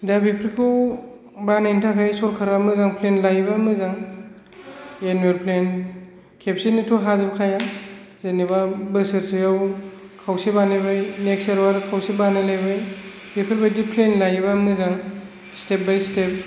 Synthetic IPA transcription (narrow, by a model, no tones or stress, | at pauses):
dabipʰɾipʰɔw | banantʰakʰajsɔɾkʰaɾamɯzaŋpʰlenlajbamɯzaŋ | enueɾpʰlen | kʰep̚sinitʰuɦazɯbkʰaja | zenibabɯsɯɾsɯjaw | kʰawsibaneβajnekseɾwaɾkʰawsibanalajbaj | bipʰɾibajdipʰlenlajbamɯzaŋ | step̚bajstep̚